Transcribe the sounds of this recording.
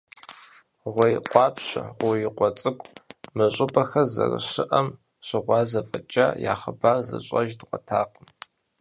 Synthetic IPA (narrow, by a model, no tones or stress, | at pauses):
ʁʷɔjɪqʷʼɑːpɕɐ̰ʁʷʊjɪqʷɔt͡sʼɨkʷʼmɨɕʼɪpʼɐxɐzɐ̰rɨ̰ɕɪʔɐm | ɕʷɪʁʷɑːzɐfʼɐt͡ʃʼɐ̰ja̰ːχəbaːrzɨ̰ɕʼɐʒdʁʷɔtʰaːqəm